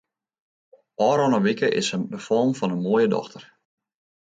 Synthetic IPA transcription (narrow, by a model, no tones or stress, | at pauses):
ʔɔːɾɔnəʋikəʔɪ̰sədəfɔlˠmfɔnənmoəjədɔ̰xtʰər